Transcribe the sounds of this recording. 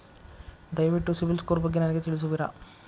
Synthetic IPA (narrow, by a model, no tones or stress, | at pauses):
d̪ɐjʋiʈːusiʋilskoːɾbɐɡːenɐnɛɡet̪iɭis̬uʋiɾa̰